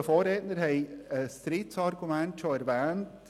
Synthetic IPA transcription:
əfoːɾetnəɾhɛɪəstɾiːtsɑrɡumɛntʃoɛɾvɛːnt

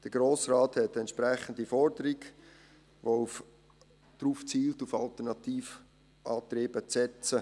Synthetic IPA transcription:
d̥əɾɡ̥ɾoːsraːthɛtɛntt͡ʃʃpɾɛχən̩difɔɾdəɾiɡ | ʋouf | d̪̥ɾuːft͡siːltufɑlt̪əɾnɑt̪iːf | ʔɑːt̪ɾeːbət͡sɛt͡sə

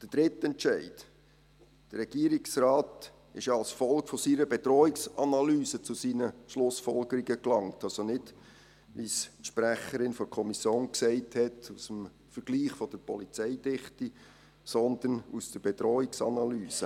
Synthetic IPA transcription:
d̥əd̥ɾɪtɛntt͡ʃɛɪt | d̥əɾɾɛɡ̥iːəɾiksrɑːt | ɪ̰ʃɑlsfɔlkfɔsiːɾəbɛtɾɔːiksɑnɑlyːsət͡susiːnəʃlʊsfɔlɡ̥əɾiɡəklɑŋtʰɑlsɔnɪt | ʋisʃpɾæχəɾɪnfɔɾkʰɔmisjoːnksɛɪthɛtusəm | fəɾɡ̥liːχfɔd̥əɾpɔlit͡sɛɪdɪχti | sɔnd̪ənusd̥əɾb̥ɛt̪ɾɔːiksɑ̰nɑlyːsə

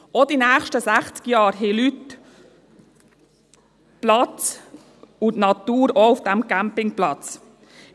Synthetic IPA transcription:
ɔd̥inæːχʃtəsæχt͡skjɑːɾɦɛlyt̪ | plɑt͡s | ʊtnɑt̪uːɾoufd̥æmkæmpɪŋplɑt͡s

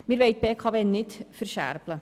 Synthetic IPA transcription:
mɪɾvʋeɪt̚b̥ɛːkʰɑʋɛnnɪt̪fərʃæ̰ɾblə

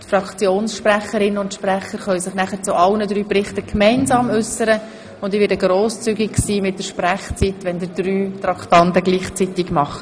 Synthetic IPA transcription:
tfɾɑkt͡sjoːnsʃpræχəɾɪnʊntʃprɛχəɾχœʏsɪχnæχəɾt͡sʊʔɑlnədɾyːprɪχtəkʰmɛɪnzɑːmʉsəɾə | ʊndiːʋɪːɾdəɡɾoːst͡syɡɪkksiːmɪt̚d̥əɾʃpræχt͡sitʋɛnd̪ɪdɾyːt̪ɾɑkʰtɑntəɡliːχt͡sitɪɡmɑχə

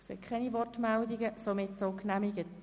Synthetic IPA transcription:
sɛ̰kʰχɛniʋɔrtmɛldiɡəsomɪtsoknæmiɡət

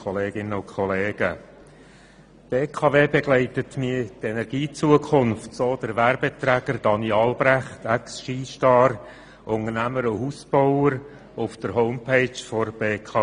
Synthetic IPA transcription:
ɔleːɡ̥ɪnəʊnkʰɔleːɡ̥ə | b̥eːkʰɑːveːbeɡ̥lɛɪtətmiətɛnɛɾɡ̥iːt͡suəkʰʊnftsoːd̥əɾʋæɾbetɾæɡ̥əɾdɑniɑlbɾæχtʰɛksʃiːʃtɑːɾ | ʔʊŋərnæməɾʊɦusb̥ɔʊəɾ | ʊfd̥əɾɦɔʊmpʰeɪt͡ʃfɔɾb̥eːkʰɑː

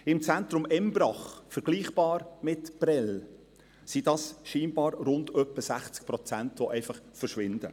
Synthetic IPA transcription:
ɪmt͡sænt̪ɾʊmɛmbɾɑχfəɾɡ̥liːχb̥ɑːɾmɪtb̥rɛl | sidɑsʃiːnbɑːɾɾʊndœpːəsæχt͡sk̚pɾɔt͡sæntʋoʔɛɪfɑχfərʃʋɪnd̥̪ə

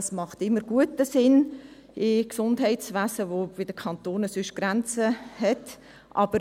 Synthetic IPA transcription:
smɑχtɪmːəɾɡ̥uətəsɪn | ɪksʊndɦɛɪtsʋæːsəʋob̥ɪd̥əkʰɑnt̪oːnəsʏʃɡ̥ɾænt͡səhɛt | ʔɑb̥əɾ

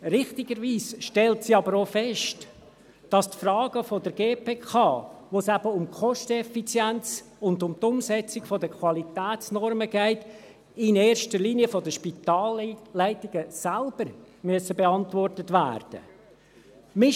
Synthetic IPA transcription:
ɾɪχtɪɡəɾʋiːsʃtɛltsiɑbəɾofɛʃt | d̥ɑstfrɑːɡ̥əfɔd̪əɾɡeːpʰeːkʰɑːʋoːsæbəʊmkʰχɔʃtəɛfit͡sjænt͡sʊnd̪ʊmtʊmsɛt͡sɪɡ̥fɔdəkχwɑlitæːtt͡snɔɾməɡ̥ɛɪt | ɪneːɾʃtəɾliːniəfɔdəʃpit̪ɑːlːɛɪtɪɡ̥əsælb̥əɾ | myəsəbeɑntvɔrtətʋæ̰ːrd̥ə̰ | mɪ

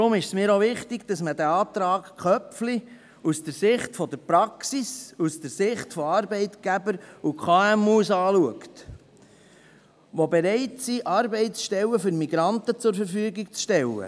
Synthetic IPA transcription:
d̪ɾʊmɪʃsmɪːɾoʋɪχtɪɡd̥̪ɑsmədæɑːt̪ɾɑːkkχœpfli | usd̥̪əɾsɪχtfɔd̪əɾpɾɑksisust̪əɾsɪχtfɔɑɾbɛɪt̪ɡ̥æbəɾukʰχɑːæmuːsɑːluəkt̪ | ʋobeɾɛɪtsiʔɑːɾbɛɪtsʃtɛlːəfʏɾmiɡɾɑnt̪ət͡sʊɾfəɾfyəɡiɡ̚t͡sʃtɛlːə̰

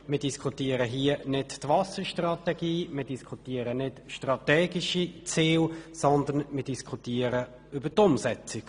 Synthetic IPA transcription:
mɪːɐdiskʰutiːəɾəɦiənɪttvɑsəʃtrɑt̪ɛɡ̥iːmɪːdiskʰut̪iːəɾənɪtʃtʁɑtɛːɡiʃit͡siːlsɔnd̪ənmɪd̥iskʰutiːəɾə | ʏbətʊmsɛt͡sɪk

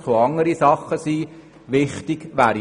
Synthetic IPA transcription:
t͡soɑŋəɾisɑχːəsiː | ʋɪχtɪɡ̥ʋæːɾ

